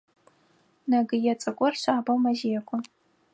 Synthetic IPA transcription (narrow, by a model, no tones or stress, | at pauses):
naɡɨjɛt͡sʼɐkʷʼɔrɕʷaːbɐwmɐʒeːkʷʰʼɔ